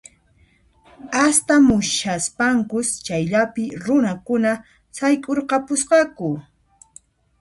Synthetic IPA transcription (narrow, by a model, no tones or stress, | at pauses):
ast̪amʊʃaspaŋkʊst͡ʃajʎapɪɾʊnakʊna | sajkʼoɾqɑpʊsqɑkʊ